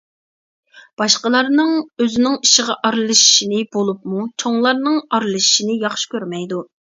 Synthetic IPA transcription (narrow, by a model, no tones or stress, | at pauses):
b̥ɑʃqəlˠɑɾnɨŋøzɪnɪŋiʃɪʁɑʔɑɾlˠɨʃi̥ʃinɪbolˠup̚mut͡ʃʰoŋlˠɑɾnɨŋɑɾlˠɨʃi̥ʃinɪjɑχʃi̥kʲøɾmɛjd̪u